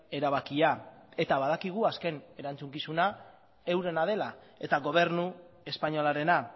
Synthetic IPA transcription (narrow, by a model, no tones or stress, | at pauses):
e̞ɾaβakiae̞t̪aβaðakiɣ̞uaske̞ne̞ɾant͡suŋkisuna | e̞wɾe̞naðe̞la | e̞t̪aɣo̞β̞e̞ɾnu | e̞spaɲo̞laɾe̞na